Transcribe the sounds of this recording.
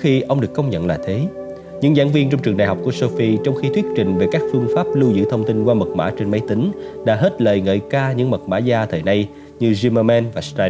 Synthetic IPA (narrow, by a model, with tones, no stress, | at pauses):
xi˧ʔə˧wŋ͡mɗɨ˨˩əkːə˧wŋ͡mɲə̰˧˨nlaː˨˩t̪ʰe˨˦ | ɲɨ̰˧˥ŋza̰ː˧˥ŋvi˧ənt͡ɕɔ˧wŋ͡mt͡ɕɨ˨˩əŋɗaː˨˩jɦɔ˨˩k͡pku˧˩əso˧fi˧t͡ɕɔ˧wŋ͡mxi˧t̪ʰwi˦˥ət̚t͡ɕï˧˨ŋ̟ve˨˩kaː˦˥k̚fɨ˧əŋfaː˦˥p̚lu˧zɨ̰˧˥t̪ʰə˧wŋ͡mt̪i˧nkwaː˧mə˨˩t̚ma̰ː˧˥t͡ɕe˧nmə˨˦jt̪ï˨˦ŋ̟ | ɗa̰ː˧˥ɦe˦˥t̚ləː˨˩jŋə̰ː˧˨˩jkaː˧ɲɨ̰˧˥ŋmə˨˩t̚ma̰ː˧˥zaː˧t̪ʰəː˨˩jna˧j | ɲɨ˧zi˧maː˧mɛ˧nvaː˨˩st̪a˧